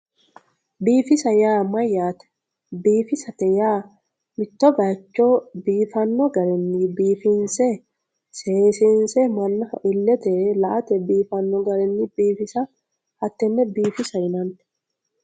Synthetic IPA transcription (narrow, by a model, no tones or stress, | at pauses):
biːfɪsɐjaːmɐjːaːt̪ɛ̥ | biːfɪsɐt̪ɛjaː | mɪt̪ːɔbɐt͡ʃːoːbiːfɐnːɔɡɐɾɛnːibiːfɪnsɛ | seːsɪnsɛmɐnːɐ̰ʔɪlːɛt̪ɛlɐʔɐt̪ɛbiːfɐnːɔɡɐɾɛnːɪb̥iːfɪsɐ | hɐt̪ːɛnːɛbiːfɪsɐjɪnɐnt̪